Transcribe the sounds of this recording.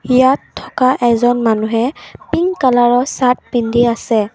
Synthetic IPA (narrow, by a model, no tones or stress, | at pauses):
ijatʰːɔkaʔɛzɔnmanuɦɛpiŋkalaɹɔsat̚pindiasɛ